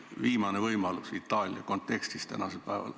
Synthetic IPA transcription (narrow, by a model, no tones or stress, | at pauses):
ʋiːmɑnevɤjmɑlusit̪ːɑːlʲjɑ̰kont̪ːˑekst̪ist̪æ̰nɑselpæevɑ̰l